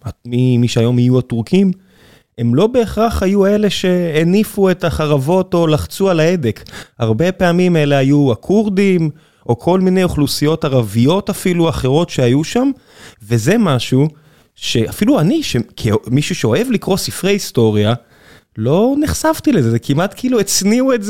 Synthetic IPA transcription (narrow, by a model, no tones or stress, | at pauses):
amimiʃeajo̞majuatuʁkʰim | e̞mlo̞be̞ːχʁaχhajue̞le̞ʃe̞ːnifue̞taχaʁavo̞to̞laχt͡sualae̞de̞khaʁbe̞pe̞amime̞le̞ɦajuakʰuʁdim | ʔo̞kʰo̞lmine̞joχlusijo̞taʁavijo̞tafiluaχe̞ʁo̞tʃeajuʃam | ve̞ze̞maʃu | ʃe̞afiluaniʃekʰimiʃuʃeo̞e̞vlikʁo̞sifʁejisto̞ʁja | lo̞niχsavtilezezekimʔatkʰiiluet͡sniuetze